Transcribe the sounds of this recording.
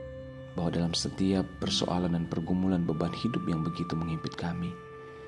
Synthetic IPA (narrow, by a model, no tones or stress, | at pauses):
bahwadalamsət̪iapːərso̰ʔa̰landanpərɡumulanbəbanhidʊpjaŋbəɡit̪uməŋimpɪt̪̚kami